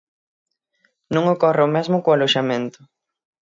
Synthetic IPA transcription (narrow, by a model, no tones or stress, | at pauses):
nõŋokɔreomezmʊkoaloʃamẽnt̪ʊ